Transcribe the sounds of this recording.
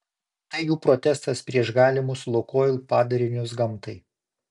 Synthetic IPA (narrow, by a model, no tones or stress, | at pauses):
t̪ɐɪjuːpɾɔt̪ʲɛst̪ɐspʲɾʲiɛʒɡɑːlʲɪmʊslˠʊkoːjlʲˠpɑːd̪ɐɾʲɪnʲʊs̬ɡɐmt̪ɐɪ